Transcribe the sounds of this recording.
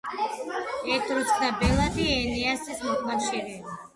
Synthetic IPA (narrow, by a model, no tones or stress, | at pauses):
ɛt̪ʼɾuksd̪abɛlˠad̪iɛniasismɔkafʃiɾɛba